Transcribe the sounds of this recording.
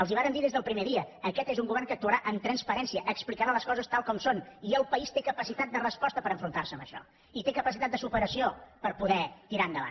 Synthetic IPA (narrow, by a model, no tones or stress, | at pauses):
əlˠziβaɾəmnd̪iðezðəlˠpɾimeðiəːkɛt̪ezuŋɡuβ̞ɛrnŋkək̚t̪uəɾaʔənt̪ɾənspəɾɛnsiəʔəksplikəɾaləskɔzəst̪alˠkɔmsoniəlˠpəist̪ekəpəsit̪at̪̚d̪ərəspɔst̪əpəɾəɱfɾunt̪aɾsəmbəʃɔ̰ | it̪ekəpəsit̪at̪̚d̪əsupəɾəsiopəɾpuðɛt̪iɾaənd̪əβa̰n